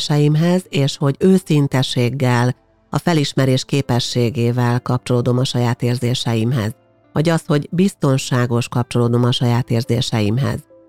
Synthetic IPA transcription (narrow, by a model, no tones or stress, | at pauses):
ʃɛjimɦɛzeːʃho̞ɟøːsint̪ɛʃeːɡːɛl | ɒ̰fɛliʃmɛɾeːʃkeːpɛʃːeːɡeːvɛlkɒp̚t͡ʃo̞loːd̪o̞mɒʃɒjaːt̪eːrzeːʃɛjimɦɛ̰z | vɒɟɒsho̞ɟbist̪o̞nʃaːɡo̞ʃkɒp̚t͡ʃo̞loːd̪o̞mɒʃɒjaːt̪eːrzeːʃɛjimɦɛ̰z